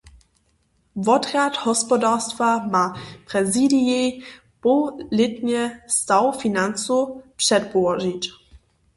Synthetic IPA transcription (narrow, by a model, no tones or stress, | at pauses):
vɔd̪ʁjathɔspɔdast̪vamapʁɛzidijɛj | pɔlɪt̪ɲɛst̪awfinant͡supʂɛtpɔwɔʒit͡ɕ